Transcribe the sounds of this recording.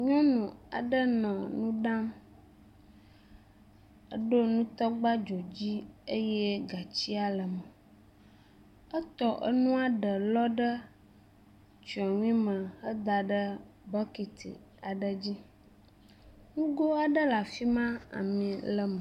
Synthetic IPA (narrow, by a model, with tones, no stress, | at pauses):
ɲɔ̃˦nũ˨a̰˨ɖə˦nɔ̃˨nũ˦ɖã˦m | ə̰˦ɖo˦nũ˦t̪ɔ˦ɡ͡ba˦d͡ʒo˨d͡ʑi˦ə˦jɛ˦ɡa˨t͡ɕi˦a˨lə˨mə˨ | ə˦t̪ɔ˨ʔə̰˦nũ˦a˨ɖə˨lɔ˦ɖə˦ | t͡ʃa˨ŋ̃˦ĩ˦mə̃˨hə˦d̪a˨ɖə˦ | bɔ˦ki˨t̪ḭ˨ | a˨ɖə˦˨d͡ʑi˦ | nũ˦ɡo˦a˨ɖə˦la˨fi˦mã˦a̰˨mĩ˨lə˦mə˨